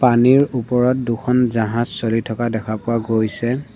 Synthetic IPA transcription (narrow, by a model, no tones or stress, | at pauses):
paniɹupɔɹɔt̚dukʰɔnzaɦãzsolitʰɔkadɛkʰapʊwaɡojsɛ